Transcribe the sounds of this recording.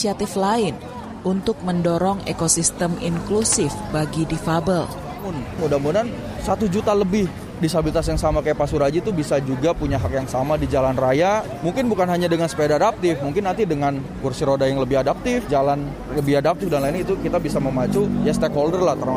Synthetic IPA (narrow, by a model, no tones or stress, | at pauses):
siat̪ɪflaɪn | unt̪ʊk̚məndoɾɔŋḛkosist̪əmḭŋklusɪfbaɡidifabəl | mʊnmudamudan | sat̪ud͡ʒut̪aləbɪh | dist̪abilit̪as̬jaŋsamakajapasuɾad͡ʒit̪ubisad͡ʒuɡapuɲaɦakjaŋsamadid͡ʒalanraja | muŋkɪnbukanɦaɲadəŋansə̥pedaːdap̚t̪ɪfmuŋkɪnːant̪idəŋan | kursiɾodajaŋləbɪhadap̚t̪ɪfd͡ʒalan | ləbɪhadap̚t̪ɪfdanlainɲait̪ukit̪abisaməmat͡ʃujast̪ɛkɦoldərlaht̪ər